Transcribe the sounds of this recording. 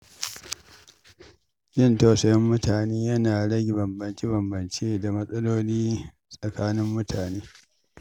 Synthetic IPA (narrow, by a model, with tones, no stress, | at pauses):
d͡ʒɪ˦˨nta˨sɐ˦˨jɐ˦mːʊ˦taː˨neː˦jɐ˦naː˨ɽɐ˦ɡʲɪ˨bɐ˨mbɐ˨nt͡ʃi˦bɐ˨mbɐ˨nt͡ʃeː˦da˨mɐ˦sʼɐ˦loː˦liː˦ | sʼɐ˨kaː˦nɪ˦mːʊ˦tʰaː˨neː˦